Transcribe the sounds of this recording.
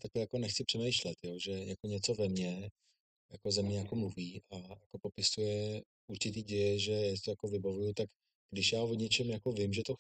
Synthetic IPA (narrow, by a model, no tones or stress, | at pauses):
t̪akajako̞nɛxt͡sɪpr̝̥ɛmɛjʃlɛt̪joʒɛjakoɲɛt͡so̞vɛmɲɛ | jako̞zamɲɛjako̞mluviːʔajako̞po̞pɪsujɛ | ʔuɾt͡ʃɪt̪̬iːɟɛjɛʒɛjaːsɪt̪ojako̞vɪbavujut̪ak | ɡ̥dɪʃjaːvoɲɛt͡ʃɛmjako̞vɪmʒɛt̪o